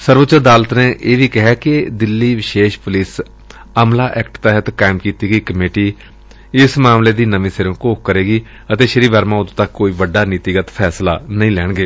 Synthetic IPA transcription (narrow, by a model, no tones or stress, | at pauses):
səɾʋət̪ːt͡ʃəɾd̪aːlət̪neːʔeːʋiːkɪɦɛːkɪd̪ɪlːiːʋɪʃeːʃpʊliːs | əmlaːʔɛːkʈt̪ɛːɦət̪kaːɪmkiːt̪iːɡəiːkəmeːʈiː | ɪsmaːmleːd̪iːnəʋĩːsəɾõːkoːk̚kəɾeːɡiː | ət̪eːʃəɾiːʋəɾmãːʊd̪t̪akːoːiːʋəɖːaːnɪt̪ɪɡət̪pʰɛːslaːnəĩːlɛːɳ̃ɡeː